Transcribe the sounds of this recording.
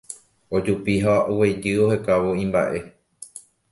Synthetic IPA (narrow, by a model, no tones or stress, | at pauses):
od͡ʒupiɦauwejd͡ʒɨo̞hekaʋoĩmba̰ʔe̞